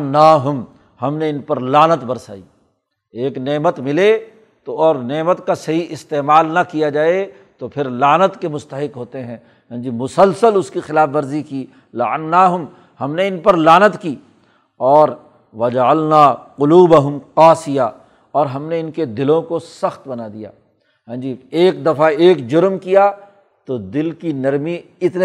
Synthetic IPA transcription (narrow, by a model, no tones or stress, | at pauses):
nːaːɦʊm | hɐmneɪnpɐɾlaːnət̪bɐɾsa̰ːiː | eːkneːmət̪mɪle | t̪oɔːɾneːmət̪kasɐɦiʔɪst̪eːmaːlnɐkijad͡ʒaːe | t̪opʰɪɾlaːnət̪kemʊst̪əɦɪqɦoːt̪eɦɛ̃ː | d͡ʒimʊsəlsəlʊskixɪlaːfʋɐɾzikiː | lɐʕənːaːɦʊm | hɐmneɪnpɐɾlaːnət̪kiː | ɔːɾ | wɐd͡ʒɐəlnaːqʊluːbɐɦʊmqaːsɪja | ɔːɾɦɐmneɪnked̪ɪlõkosɐxt̪bɐnad̪ija̰ː | ɦɛ̃ːd͡ʒiːeːk̚d̪ɐfaeːkd͡ʒʊɾmkija | t̪od̪ɪlkinɐɾmi | ɪt̪n